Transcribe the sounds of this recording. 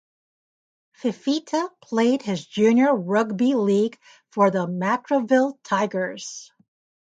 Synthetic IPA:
fɨfitʰəpʰl̥eɪd̚ɪzd͡ʒʉ̃njə˞ɹʌɡbiliɡ̥ | fə˞ðəmækɹovɪlˠtʰaɪɡə˞z̥

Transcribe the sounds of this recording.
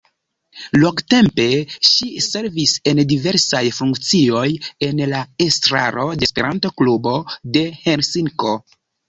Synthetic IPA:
loŋɡte̞mpe̞ʃise̞ɾvise̞ndive̞ɾsajfuŋkt͡sio̞je̞nlaestɾa̰ɾo̞de̞spe̞ɾanto̞klubo̞de̞hensiŋko̞

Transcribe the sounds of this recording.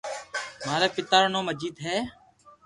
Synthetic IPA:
maːɾeːpɪt̪aːɾnõːməd͡ʒiːd̪ɦɛː

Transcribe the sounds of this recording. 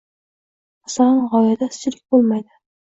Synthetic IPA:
asalanʁɒjad̪asɪ̥t͡ʃɪlɪk̚ʲbolˠmajd̪ɪ

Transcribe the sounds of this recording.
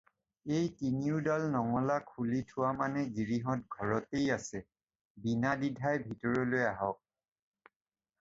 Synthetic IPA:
ejtiniʊdalnɔŋɔlakʰulitʰʊwamanɛɡiɹiɦɔt̚ɡʱɔɹɔtejasɛ | binadidʱajbʱitɔɹɔlojaɦɔk̚

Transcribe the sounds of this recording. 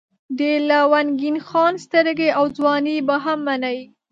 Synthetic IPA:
d̪elawanɡinxɑnst̪əɾɡeawd͡zwɑnebaɦamːanawi

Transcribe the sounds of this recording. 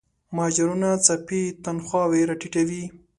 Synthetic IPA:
mɑd͡ʒaɾunat͡sapit̪anxwɑweɾaʈiʈawi

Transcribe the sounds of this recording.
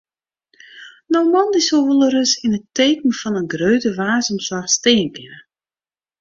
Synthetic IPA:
nowmɔndisoʋulˠəɾəsinəteːkən̩fɔnənɡrøɥtəʋaːzəmswaxsteːnpjə

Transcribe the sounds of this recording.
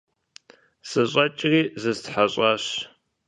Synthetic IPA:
sɨɕʼɐt͡ʃʼɪriːzɨztħaɕʼɑːɕ

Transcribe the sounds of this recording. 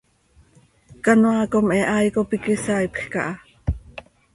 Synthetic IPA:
kanoakomʔɛʔajkopikisaipxka̰ʔɑ

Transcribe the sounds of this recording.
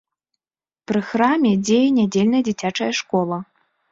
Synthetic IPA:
pɾɨxɾamʲɛd͡zʲejɛnʲad͡zʲelʲnɐjɐd͡zʲit͡sʲat͡ʂɐjɐʂkɔlˠɐ

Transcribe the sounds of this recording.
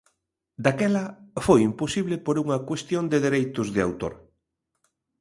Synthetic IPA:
d̪akɛlɐfojimposiβlɪpoɾuŋɐkwest̪jond̪eðeɾejt̪ʊzðɪa̰wt̪o̰ɾ

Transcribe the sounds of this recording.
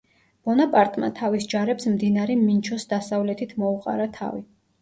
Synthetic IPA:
b̥ɔnapʼaɾt̪ʼma̰t̪ʰavisd͡ʒaɾɛpsmd̪inaɾɛmint͡ʃʰɔsd̪asavlɛt̪ʰit̪ʰmɔuqʼa̰ɾat̪ʰa̰vḭ

